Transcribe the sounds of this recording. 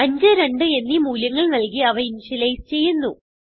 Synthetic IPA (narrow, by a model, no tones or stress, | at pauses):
ɐɲd͡ʑɨɾe̞ɳɖɨe̞nːimuːljɐŋːɐɭnɐlkiɐʋɐinɕileːst͡ɕe̞jːunːu